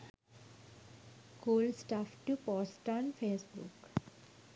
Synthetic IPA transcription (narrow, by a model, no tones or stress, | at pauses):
koːlsʈaːfʈupɔːsʈɔ̃ːnfeːsbṵk